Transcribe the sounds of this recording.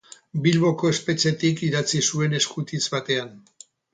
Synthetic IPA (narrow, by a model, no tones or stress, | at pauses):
bilβo̞ko̞e̞spe̞t͡ʃe̞t̪ikiɾat͡sisue̞ne̞skut̪it͡sβat̪e̞an